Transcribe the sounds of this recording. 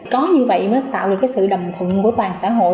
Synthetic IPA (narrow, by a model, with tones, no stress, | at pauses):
kɔ˨˦ɲɨ˧və̰˧˨jməː˨˦jt̪a̰ː˧˨wɗɨ˨˩kːjsɨ̰˧˨ɗə˨˩wŋ͡mt̪ʰwə˧˨nku˧˩t̪waː˨˩ŋsaː˧˥˨ɦo̰˧˨